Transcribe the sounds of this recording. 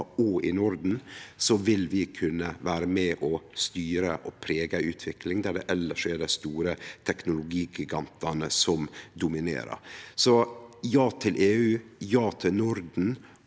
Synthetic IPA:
ɔɪnʊɾd̪n̩sɔʋɪlʋɪkʰʉnːəʋæːɾəmɛʔɔst̪yːɾəʔɔpʰɾeːɡɑʉːt̪ʰʋɪklɪŋd̪æɖɛ̰ʔɛlːəʂeːɖæɪst̪uːɾət̪ʰɛknʊlʊɡiːɡɪɡɑnt̪ɑnəsɔmd̪ʊmɪnḛːɾə̰ɾsɔjɑːt̪ʰɪlʔeːʉːjɑːt̪ʰɪlnʊɾd̪n̩

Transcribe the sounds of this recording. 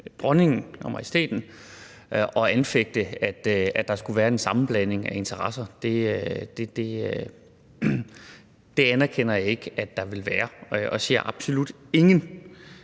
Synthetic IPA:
b̥ʁɒne̝ŋn̩ɒmɐisd̥e̝̰ːd̥n̩ | ʔɒ̽ænfeɡ̥̚d̥əæd̥æd̥ɑ̈sɡ̥uʋæːɐe̝nsɑ̈mn̩b̥læn̰e̝ŋæe̝nt͡sʰɐʁɑ̈sɐd̥e̝ød̥ed̥e̝ | d̥e̝ænæɐkʰen̰ɐjɑ̈e̝ɡ̥æ̥ɑ̈ʋe̝lʋæːɐʔɒ̽sḛɐ̰ʔɑ̈b̥so̝lud̥e̝ŋən

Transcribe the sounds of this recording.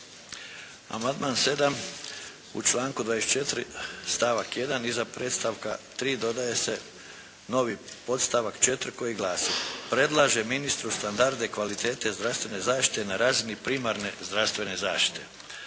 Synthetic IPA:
a̰mand̪maːnse̞d̪am | ṵt͡ʃlaːŋkud̪ʋajeset͡ʃe̞t̪ɾist̪aʋakje̞d̪anizapɾeːt̪st̪aʋka̰t̪ɾiːd̪o̞d̪aje̞se̞ | no̞ʋipo̞t̪st̪aʋakt͡ʃe̞t̪ɾko̞jiɡlaːsipɾe̞d̪lˠaʒe̞minist̪ɾust̪and̪aɾd̪ekʋalit̪e̞ːt̪e̞zd̪ɾaʋst̪ʋe̞ne̞zaːʃt̪i̥t̪enaɾaːzinipɾiːmaɾne̞zd̪ɾast̪ʋe̞ne̞zaːʃt̪i̥t̪e̞

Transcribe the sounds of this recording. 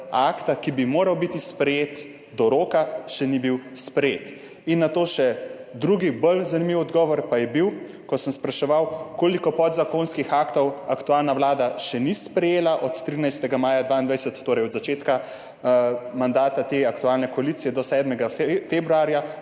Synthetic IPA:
akt̪akibimoːɾawbit̪ispɾɛjeːt̪ | d̪ɔɾoːkaʃɛnibiwspɾɛjeːt̪ | inːat̪oːʃɛd̪ɾuɡibəlzanimiwɔd̪ɡɔːʋɔɾpajɛbiw | kɔsəmspɾaʃɛʋawkoːlikɔpɔd̪zakonskixaːkt̪ɔwakt̪uaːlnaʋwlaːd̪aʃɛnispɾɛjeːlaʔɔt̪ːɾiːnajst̪ɛɡamaːjad̪ʋaːind̪ʋajsɛt̪ːoːɾɛjɔd̪zat͡ʃeːt̪ka | mand̪aːt̪at̪eakt̪uaːlnɛkɔaliːt̪sijɛd̪ɔsɛːd̪mɛɡafebɾuaːɾja

